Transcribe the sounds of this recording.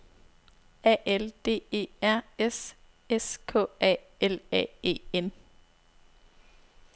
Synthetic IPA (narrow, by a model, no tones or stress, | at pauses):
ɛ̰ːʔeld̥e̝̰ːe̝̰ːæɐ̰es | eskʰɔ̰̽ːɛ̰ː | elɛ̰ːe̝̰ːen